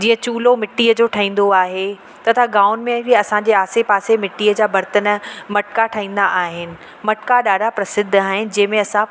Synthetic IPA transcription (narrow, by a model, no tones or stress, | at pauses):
d͡ʑĩːə̃t͡ɕuːlomɪʈːiːəd͡ʑoːʈʰaɦĩːn̆d̪oaːɦe | t̪ɐt̪ʰaɡaːʊnmẽiɐsãɲd͡ʑeːaːsepaːsemɪʈːiːəd͡ʑaːbɐɾt̪ənmɐʈkaʈʰaːɦĩːn̆d̪aʔaːɦɪnɪ̆ | mɐʈkaɗaːɖapɾɐsɪd̪ʱːaːɦɪnɪ̆d͡ʑɐ̃ɦɪ̃mẽɐsã